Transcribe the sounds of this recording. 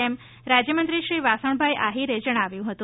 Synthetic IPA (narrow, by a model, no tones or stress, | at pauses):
em | ɾad͡ʑjəmənt̪ɾiɕɾiːʋasəɳbʱajʔaɦiɾed͡ʑəɽ̃aʋjũɦət̪ũ